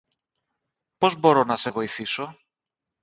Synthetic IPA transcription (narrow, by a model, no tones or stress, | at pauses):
po̞zbo̞ɾonɐse̞vo̞iθiso̞